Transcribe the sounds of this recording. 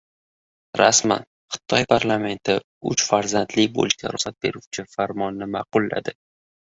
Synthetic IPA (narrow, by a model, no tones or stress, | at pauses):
ɾasma̰n | χɨ̥t̪ʰɒjpʰaɾlˠame̞nt̪ʰɪ | ʊt͡ʃfaɾzant̪lɪkʲbo̰lkʲʰa̰ɾʊsat̪̚be̞ɾuwt͡ʃʰɪfaɾmɒnːɪmaqʊlˠːa̰d̪ɪ